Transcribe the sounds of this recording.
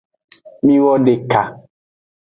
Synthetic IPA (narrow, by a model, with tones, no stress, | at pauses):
mĩ˦wɔ˦ɖe˨ka˨